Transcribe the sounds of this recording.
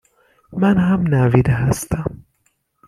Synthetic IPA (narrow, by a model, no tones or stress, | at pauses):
mænɦamnævid̪æɦæst̪æm